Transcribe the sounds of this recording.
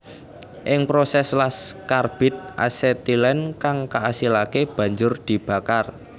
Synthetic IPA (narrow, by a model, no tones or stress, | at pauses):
ʔɪŋpɾosɛslaskarb̥ɪ̤t̪̚ʔa̰sɛt̪ilɛnkaŋkaʔasilakeb̥ä̤ɲd͡ʒʊrd̪̥i̤b̥a̤kar